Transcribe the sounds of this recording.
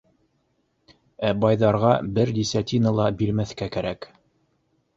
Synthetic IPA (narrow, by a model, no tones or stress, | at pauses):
æbɑjðɑɾʁɑbɘɾd̪ʲisʲat̪ʲinəlˠɑbiɾmæθkækæɾæk